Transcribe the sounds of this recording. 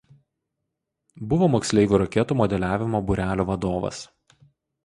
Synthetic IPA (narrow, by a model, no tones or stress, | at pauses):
bʊʋoːmoːksʲlʲɛɪʋʲuːɾɐkʲɛt̪uːmɔd̪ʲɛlʲæːʋʲɪmoːbʊɾʲæːlʲoːʋɐd̪oːʋɐ̰s